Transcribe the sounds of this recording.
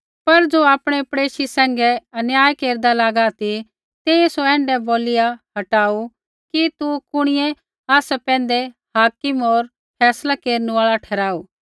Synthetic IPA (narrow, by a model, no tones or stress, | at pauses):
pɐɾd͡ʒoːaːpɽ̃ɛpɾɽeːʃisɛ̃ːŋɡɛɐnjaːjkeːɾd̪alaːɡat̪i | t̪eesoɛ̃ːɳɖɛboːlɪjaɦɐʈaːu | kit̪ukʊɽ̃ɪjɛ | aːsɛpɛ̃ːnd̪ɛ | haːkɪmoːɾ | pʰɛːslakeːɾnuaːɭaʈʰɛːɾaːuː